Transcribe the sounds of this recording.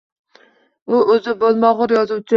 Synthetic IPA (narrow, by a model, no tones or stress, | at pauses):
ʊʔɵzɪbolˠmɒʁʊɾjɒzʊwt͡ʃʰɪ